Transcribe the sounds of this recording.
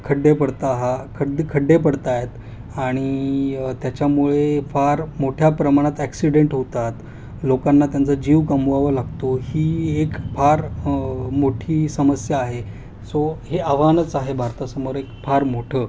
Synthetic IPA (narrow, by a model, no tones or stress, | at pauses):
kʰəɖːepəɽt̪aɦakʰəd̪kʰəɖːepəɽt̪ajet̪ | aɽ̃it̪jat͡ɕjamuɭefaɾmoʈʰjapɾəmaɽ̃at̪æksiɽeɳʈɦot̪at̪ | lokanːat̪jant͡səd͡ʑiːʋkəmuʋaʋəlaɡt̪ohiːekfʰaɾ | moʈʰiːsəməsjaːɦe | soheaʋanət͡saɦebʱaɾt̪əsəmoɾekfʰaɾmoʈʰəː